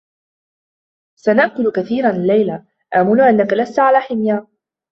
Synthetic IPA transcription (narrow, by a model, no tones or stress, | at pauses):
sanaʔkʊlkaθiːɾˤanɪlːajla | ʔaːmʊnʊʔanːakalast̪ʕalaːħɪmja